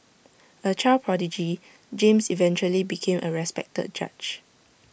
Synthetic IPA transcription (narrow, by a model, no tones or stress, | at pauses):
ət͡ʃalpʰɹɔdid͡ʒi | d͡ʒẽmsivɛ̃nt͡ʃuəlibikʰẽmʔəɹɛspɛ̰k̚tə̰d̚d͡ʒa̰t͡ʃ